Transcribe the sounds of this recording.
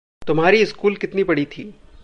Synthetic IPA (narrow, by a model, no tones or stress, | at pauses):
t̪ʊmɦaːɾiɪskuːlkɪt̪nibɐɽit̪ʰiː